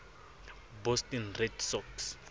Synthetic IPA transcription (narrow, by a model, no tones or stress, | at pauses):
bɔstɛnredsɔks